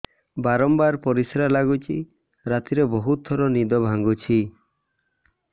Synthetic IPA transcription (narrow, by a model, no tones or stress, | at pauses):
baɾɔmbaɾpɔɾisɾalaɡut͡ʃʰi | ɾat̪iɾebɔɦut̪̚ɔɾɔnid̪ɔbʱaŋɡut͡ʃʰi